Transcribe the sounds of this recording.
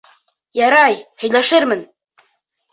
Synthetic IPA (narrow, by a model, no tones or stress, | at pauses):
jɑɾɑjhɵ̆jlæʃɘɾmɘn